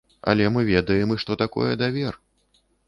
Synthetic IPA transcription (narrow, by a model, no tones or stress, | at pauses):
a̰lʲɛmɨvʲɛd̪ɐjɛmɨʂt̪ɔt̪akɔ̰jɛd̪avʲɛr